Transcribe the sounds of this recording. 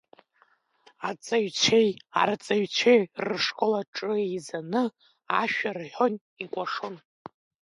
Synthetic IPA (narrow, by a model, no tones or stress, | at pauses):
at͡sʼaɥt͡ɕʷʰeja̰rt͡sʼaɥt͡sʷʰejrɨʂkʼolaʈ͡ʂʼɨejzanɨ | aʃᶣarħon | ikʷʼaʂɨn